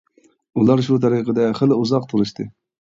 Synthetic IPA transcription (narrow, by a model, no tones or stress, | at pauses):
ulˠɑɾʃut̪ʰɑɾiqʰəd̪ɛχəlˠɨuzɑqt̪ʰəɾɨʃt̪ɨ